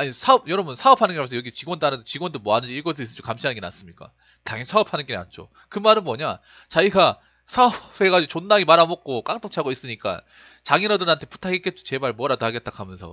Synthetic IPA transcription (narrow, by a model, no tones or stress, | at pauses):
aɲisʰaʌb̚jʌɾʌbunsʰaʌpʰanɯnɡeamʰsʌjʌɡit͡ɕiɡwʌndanɯdet͡ɕiɡwʌndomwʌɦanɯnd͡ʑiiɭkʌs̬ʰɯis͈ɯd͡ʑokamɕʰianɯnŋɡena̰ns͈ɯmɲik͈a̰ | taŋisʰaʌpʰanɯnɡena̰nt͡ɕ͈o̰ | kɯmaɾɯnmʌɲa | t͡ɕaiɡa | sʰaʌbʰe̞ɡad͡ʑiot͡ɕonːaɡimaɾamok̚k͈ok͈aŋt͈ʰoŋt͡ɕʰaɡois͈ɯɲik͈a̰ | t͡ɕaŋiɾadɯnɦantʰe̞pu̥tʰaɡik͈et̚t͡ɕ͈o̥t͡ɕe̞baɭmwʌɾadohaɡe̞t͈̚akʰamjʌnsʰʌ̰